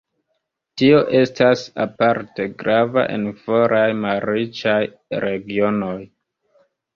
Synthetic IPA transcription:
tio̞ʔe̞stasa̰paɾteɡɾava̰ʔe̞̰nfo̞ɾʔajmalɾit͡ʃaj | ɾe̞ɡio̞no̞j

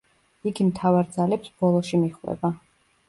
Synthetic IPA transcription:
iɡimt̪ʰavaɾd̪zalɛpsb̥ɔlˠɔʃimiχwɛ̰ba

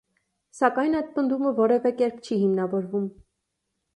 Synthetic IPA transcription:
sɑkɑjnɑjd̪̚pənd̪uməvɔɾɛvɛkɛɾp̚ʰt͡ʃʰihimnɑvɔɾvum

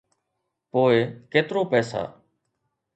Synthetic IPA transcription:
poːekeːt̪ɾoːpɛːsa̰ː

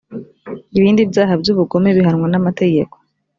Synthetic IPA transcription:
iβiːndibjaːɦabɟuβuɡo̞me̞βiɦaɾŋwanamate̞ɟe̞ko̞̥

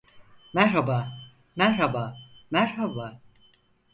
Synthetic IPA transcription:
mæɾɦabaː | mæɾɦabaːmæɾhabaː

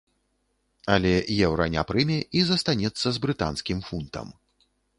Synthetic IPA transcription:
ɐlʲɛjɛwɾɐnʲa̰pɾɨmʲɛʔizɐst̪anʲɛt̪sːɐzbɾɨt̪a̰nskʲimfunt̪ɐ̰m

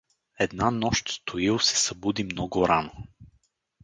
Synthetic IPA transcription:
ɛd̪nanɔʃt̪st̪ʰoilˠsɛ̥sɐbud̪imnɔɡʊɾano

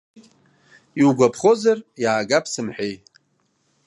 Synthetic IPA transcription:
iwuɡʷapʰχo̞zarjaːɡapʰsɨmħᶣej

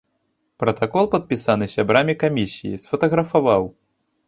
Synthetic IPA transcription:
pɾɐt̪akɔlˠpɐt̪̚pʲisan̪ɨsʲabɾamʲikamʲisʲijḭsfɐt̪ɐɣɾɐfavaw

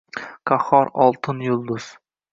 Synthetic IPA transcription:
qʰɑχɒɾɒlˠt̪ʰɪnjʊlˠd̪ʊz̥

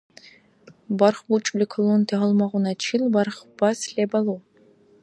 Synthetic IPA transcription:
bɐrχbut͡ʃʼlikʰɨluntʰeʁɐlmɐʁʷʊnɐt͡ʃʰilbɐrχb̥ɐsɬebɐlu

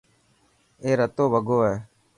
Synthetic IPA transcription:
eːɾət̪oːʋəɡoːɛː

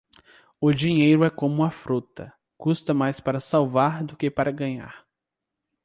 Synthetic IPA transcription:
ʊd͡ʒiɲejɾʊɛkõmʊɐfɾut̪ɐ̰ | kust̪ɐmajspaɾɐsawvaɾd̪ʊkepaɾɐɡɐ̃ɲa̰ɾ

